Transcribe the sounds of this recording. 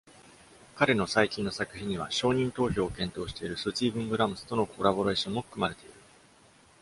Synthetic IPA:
kaɾe̞no̞saikʲĩnːosakɯ̟çĩɲ̟ːiβ̞a̰ɕo̞ːɲ̟ĩnt̪o̞ːço̞ːkẽ̞nt̪o̞ːɕi̥t̪e̞iɾɯ̟sɨt͡ɕiːbɯ̟̃ŋɡɯ̟ɾamɯ̟st̪o̞no̞kʰo̞ɾabo̞ɾe̞ːɕõ̞mːo̞ɯ̥kɯ̟maɾe̞t̪e̞iɾɯ̟

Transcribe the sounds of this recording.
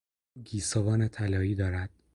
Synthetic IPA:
ɡiːsovɒːnet̪ʰælɒːiːd̪ɒːɾæd̪̥

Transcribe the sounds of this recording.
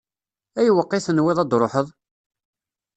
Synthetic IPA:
æjwəqːiθənwɪðˤɑd̪ɾˤoħəðˤ

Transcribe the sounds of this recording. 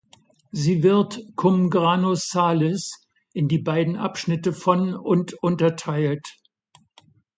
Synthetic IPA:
ziːvɪɐtkʰʊmɡʁanosaːlɛs | ʔɪndiːbaɪdn̩ʔa̰pʃnɪtəfɔnʊntʔʊntɐtʰaɪlt

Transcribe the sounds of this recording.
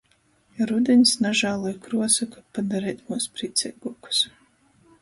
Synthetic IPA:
jaɾud̪ʲɛɲʲsnaʒaːlˠujkɾuɔsakapad̪aɾɛːt̪muɔspɾit̪sʲɛ̰ɡuɔku̥s

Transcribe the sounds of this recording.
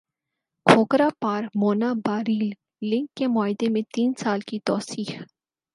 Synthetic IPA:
kʰoːkɾapaːɾmoːnabaːɾiːlː | ɪ̃ŋkːemʊaːɪd̪emẽt̪iːnsaːlkit̪ɔːsiːx

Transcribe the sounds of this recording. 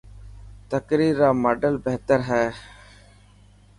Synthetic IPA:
t̪əkɾiːɾːaːməɖəlbeɦt̪əɾɦɛː

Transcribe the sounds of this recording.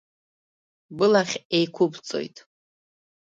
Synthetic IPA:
bɨlaχʲejkʷʰʊbt͡sʼo̞̰jtʼ

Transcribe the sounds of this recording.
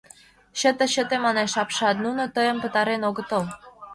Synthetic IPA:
ɕə̆t̪ə̆ɕə̆t̪emɑneʃɑpʃɑt̪̚nunot̪əjə̆mpə̆t̪ɑɾenoɣət̪ə̆l

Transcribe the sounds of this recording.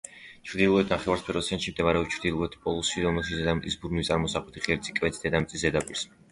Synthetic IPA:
t͡ʃʰɾd̪ilˠuɛt̪ʰnaχɛvaɾspʰɛɾɔsʰɛnʃimd̪ɛmaɾɛɔpt͡ʃʰɾd̪ilˠuɛt̪ʰpʼɔlˠusiɾɔmɛlˠʃizɛd̪amʼisbuɾnit̪sʼaɾmɔsaχlɛt̪ʰiχɛɾt̪sʰʼikʼvɛt̪ʰd̪ɛd̪amt̪sʼiszɛd̪apʼiɾs

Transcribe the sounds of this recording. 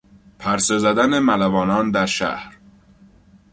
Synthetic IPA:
pʰæɾse̞zæd̪ænemælævɒːnɒːnd̪æɾʃæ̰hɾ

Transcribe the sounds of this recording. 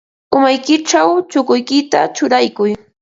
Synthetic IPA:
ʊmajkɪʈ͡ʂawt͡ʃʊkʊjkɪt̪a̰t͡ʃʊɾajkʊj

